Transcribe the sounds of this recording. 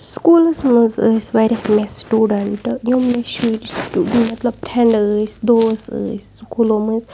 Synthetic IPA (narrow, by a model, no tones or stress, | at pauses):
skuːlɨsmɨzəːsʲʋɐɾʲmesʈuːɖəɳʈjomːeʃiʈsʈuːɖmɐt̪lɐb̚pɾʰeɳɖəːsd̪oːsə̰ːskulomɨz